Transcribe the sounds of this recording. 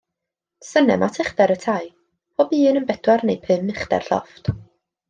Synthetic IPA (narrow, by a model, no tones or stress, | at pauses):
sənɛ̰mʔatʰɪχdɛɾətʰaj | pʰɔbiːnənbɛd̥warnejpʰɨmɪχd̥ɛ̰r̥ɬɔ̰ft